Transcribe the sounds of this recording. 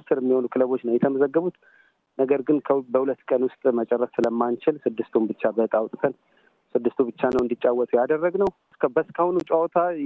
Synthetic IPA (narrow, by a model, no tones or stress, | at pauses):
t̪ɨɾɛmːiho̞nukʰɨləβo̞t͡ʃːnəwjɛt̪ʰəməzəɡːəβut̪ | nəɡəɾɡɨnkʰəbəhulət̪ːkʼənwʊst̪ʼmət͡ʃʼɛrːəssɨləmːant͡ʃɪlsɨd̪ːɨst̪ʰumbɨt͡ʃːabət̪ʼawt̪ʼt̪ʰən | sɨd̪ːɨst̪ʰubɨt͡ʃːanəwɨnd̪it͡ʃʼːawːɔt̪ʰʼujad̪ərːəɡnəw | sbəskʰahunut͡ʃʼaɔt̪ʰa